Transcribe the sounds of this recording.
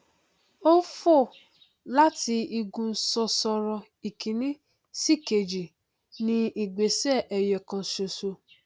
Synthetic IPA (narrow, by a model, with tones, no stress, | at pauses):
o˦fo˦˨ | la˦ti˧i˧ɡũ˧n̩˦sɔ˧sɔ˧ɾɔ˧ | i˨kĩ˨nĩ˦ | si˦˨ke˧˨d͡ʒi˨ | nĩ˧i˨ɡ͡be˨˦sɛ˦˨ʔɛ˨jɛ˨kã˧so˧so˧